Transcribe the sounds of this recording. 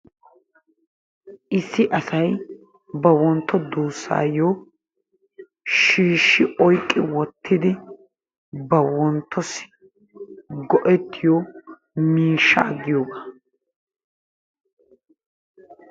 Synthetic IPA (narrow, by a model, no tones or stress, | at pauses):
ʔɪsːɪʔɐsɐj | bɐwɔnt̪ːɔd̪uːsːa̰ːjo | ʃiːʃːɪʔɔjkʼːɪwɔt̪ːɪd̪ɪ | bɐwɔnt̪ʰːɔs | ɡɔʔɛt̪ʰːɪjɔ | miːʃːɐ̰ɐɡːɪjoːɡaː